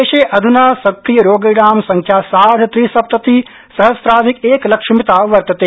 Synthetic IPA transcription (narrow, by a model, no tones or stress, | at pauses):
eːʃeːʔɐd̪ʱunaːsɐkɾijɐɾoːɡiɽaːmsɐŋkʰjaːsaːd̪ʱt̪ɾisɐp̚t̪ɐt̪i | sɐɦɐsp̪ɾaːzikeːklɐkʂʃimit̪aːʋɐɾt̪ɐt̪e